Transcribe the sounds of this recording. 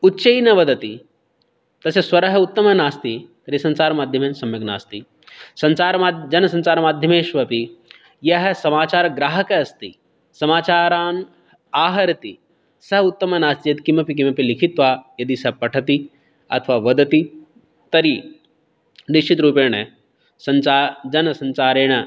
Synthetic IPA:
utːʃɐinɐʋɐd̪ɐt̪ḭ | t̪ɐsjɐswɐɾɐɦɐut̪ːɐmɐnaːst̪it̪ɐɾisɐnsaːɾɐmaːd̪ʱjɐmeːsɐmjɐɡna̰ːst̪i | sɐnsaːɾmaːd͡ʒɐnɐsɐ̃nsaːɾɐmaːd̪ʱjɐmeːʃʋɐpi | jɐɦɐsɐmaːt͡ʃaːɾɐɡɾaːɦɐkɐɐst̪ḭ | sɐmaːt͡ʃaːɾaːn | aːɦɐɾɐt̪i | sɐɦut̪ːɐmɐnaːst̪ijɐt̪kimɐpik̬imɐpilikʰit̪ʋaːjɐd̪isɐpɐʈʰɐt̪i | ɐ̰t̪ʰʋaːʋɐd̪ɐt̪i | t̪ɐɾi | nit͡ʃʰit̪ɾuːpeːɽ̃e | sɐnaːd͡ʒɐnɐsɐ̃nt͡ʃaːɾẽːɐ

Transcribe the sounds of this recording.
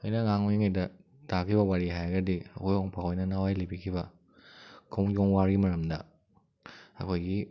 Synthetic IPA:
ojnɐŋaŋoiŋajdɐ | takʰibɐwaɾiɦajɐɡɐdiɐkojoŋpʰaɦojnɐnawajlibikʰibɐ | kʰoŋd͡ʒoŋwaɾimɐɾɐmdɐ | ɐ̰kʰojɡi

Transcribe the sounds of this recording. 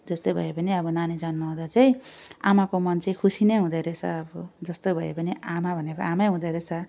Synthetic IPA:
d͡zʌst̪obʱʌ̰epʌniʌbʌnanid͡zʌnmʌɦõd̪at͡saĩamakomʌnt͡sʌĩkʰusinejɦũd̪ʌɾet͡sʰʌ̰ːbʌd͡zʌst̪obʱʌḛpʌniamabʱʌnekoamajɦũd̪ʌɾet͡sʰʌ

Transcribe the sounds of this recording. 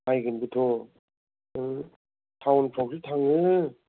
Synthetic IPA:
ajɡɯnbɯtʰɔ | ɯ | tʰawnpʰɔk̚sɯtʰaŋɯ

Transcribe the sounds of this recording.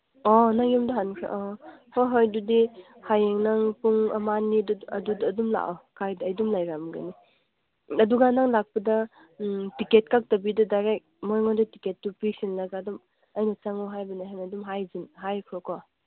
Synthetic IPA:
ɔnaŋimdɐɦankʰɾa̰ʔɔhɔjɦɔjdudi | hajeŋnaŋpuŋɐ̰manːiduɐdudːdumla̰ʔɔkʰajdːjdumlajɾamɡɐ̰ni | ɐduɡanaŋlak̚pɐdɐ | tiket̚kak̚tɐbidɐdajɾek̚mojŋɔdɐtiketːupisinlaɡadɔm | ɐjnɐt͡ʃaŋɔɦajbɐnaɦanadumɦajzinɦajkʰɾɔkɔ

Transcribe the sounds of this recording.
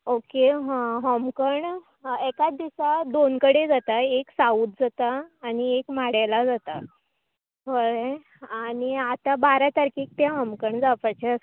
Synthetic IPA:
okeɦɦɔmkəɳ | ekat͡sd̪isad̪onkəɽed͡zat̪aeksauːt̪̚d͡zat̪aːɽ̃iekmaɽalad͡zat̪a | ʋəɾe | aɽ̃iat̪abaɾat̪aɾkiːk̚t̪jãɦɔmkəɳd͡zapat͡ɕeəs

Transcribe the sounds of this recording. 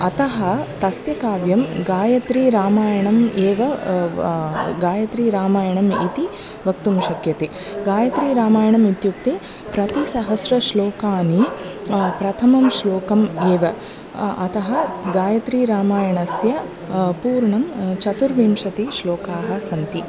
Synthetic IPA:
ɐt̪ɐɦɐt̪ɐsjɐkaːʋjɐmɡaːjɐt̪ɾiːɾaːmaːjɐɳɐmeːʋɐ | ɡaːjɐt̪ɾiːɾaːmaːjɐɳɐmḭt̪i | ʋɐkt̪umʃɐkjɐt̪e | ɡaːjɐt̪ɾiːɾaːmaːjɐɳɐmit̪juk̚t̪eː | pɾɐt̪isɐɦɐsɾɐʃloːkaːni | pɾɐt̪ʰɐmɐmʃloːkɐmeːʋɐ | ɐt̪ɐɦɐɡaːjɐt̪ɾiːɾaːmaːjɐɳɐsjɐ | puːɾɳɐmt͡ʃɐt̪uɾʋiːmʃɐt̪iʃloːkaːɦɐ̆sɐnt̪i

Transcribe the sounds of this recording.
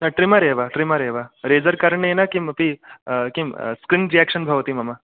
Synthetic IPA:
nɐʈɾimaɾeːʋaʈɾimaɾeːʋaɾeːd͡zɐɾkaɾɳjenakimɐpikiskɾinɾijakʃənbʱɐʋt̪imɐma

